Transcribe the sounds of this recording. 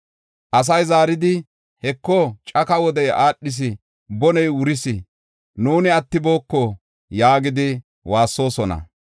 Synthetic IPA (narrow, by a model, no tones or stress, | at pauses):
ʔɐs̬ɐjzaːɾɪd̪ɪ | hɛkːɔt͡ʃʼɐkɐwɔd̪ɛjʔaːɗːɪs̬ɪ | bɔnɛjʊɾɪsɪ | nuːnɪɐt̪ːɪbo̞ːkːɔ | jaːɡɪd̪ɪ | waːsːo̞ːsɔnɐ̰